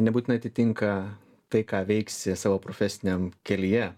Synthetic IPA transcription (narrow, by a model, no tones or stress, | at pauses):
nʲɛbuːt̪ʲɪnɐɪɐt̪ʲɪt̪ʲɪŋkɐ | t̪ɐɪkɑːʋʲɛɪksʲɪsɑːʋoːpɾoːfʲɛsʲɪnʲɛmkʲɛlʲijɛ